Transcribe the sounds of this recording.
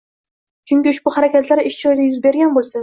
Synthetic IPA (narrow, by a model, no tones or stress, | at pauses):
t͡ʃʰyŋʲkʲiʊʃbuhæɾɛkʲɛt̪læɾɪʃt͡ʃojd̪ɪjyzbeɾɡʲɛnbolˠsɛ